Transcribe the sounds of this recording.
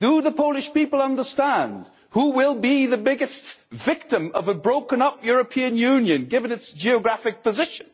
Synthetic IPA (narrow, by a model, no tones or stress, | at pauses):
d̥əðəpʰoʊlˠɨʃpipl̩ˠʌ̃ndə˞stæ̃nd̥ | huwɪlˠbiðɨbɪɡɨstv̥ɪk̚tɨ̃mʌvəbɹoʊkɨ̃nʌp̚jʊɹɨpʰĩɨ̃njʉ̃njɨ̃nɡɪvɨ̃nɨtsd̥ʒ̥iɨɡɹæfɨk̚pɨzɪʃɨ̃n